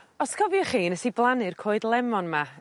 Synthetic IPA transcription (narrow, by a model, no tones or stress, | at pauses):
ɔskʰɔvjɔχiːnəsiblˠanɨrkʰoːɨdlˠɛmɔnma